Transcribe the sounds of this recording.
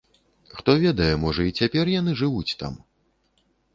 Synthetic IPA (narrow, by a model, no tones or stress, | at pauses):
xt̪ɔvʲɛd̪ɐjɛmɔʐɐit͡sʲapʲɛrjan̪ɨʐɨvut͡sʲt̪a̰m